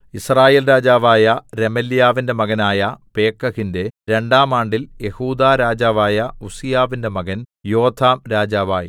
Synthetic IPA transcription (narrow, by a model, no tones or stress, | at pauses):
israːjeːlɾaːd͡ʑaːʋaːjɐɾe̞mɐljaːʋinde̞mɐɣɐnaːjɐpe̞ːkːɐɣinde̞ɾe̞ɳɖaːmaːɳɖilje̞huːd̪aːɾaːd͡ʑaːʋaːjɐusijaːʋinde̞mɐɣɐnjo̞ːt̪ʰːaːmɾaːd͡ʑaːʋa̰ːjḭ